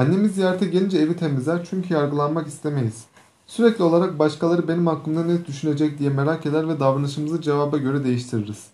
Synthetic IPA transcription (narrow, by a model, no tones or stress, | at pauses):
anːemizd̪ijaɾet̪ʰɛɟelʲind͡ʒɛevit̪ʰemizlʲæɾt͡ʃʰyɲcʰyjaɾɡɯlˠanmakist̪ʰe̞me̞jiz̥ | syɾɛclʲio̞lˠaɾak̚baʃkʰalˠaɾɯbe̞nimhakʰːɯmd̪anɛd̪yʃyne̞d͡ʒɛc̚d̪ijɛme̞ɾacʰe̞d̪æɾvɛd̪avɾɯnɯʃɯmɯzɯd͡ʒe̞vaːbaɟø̞ɾɛd̪e̞jiʃt̪ʰiɾiɾiz̥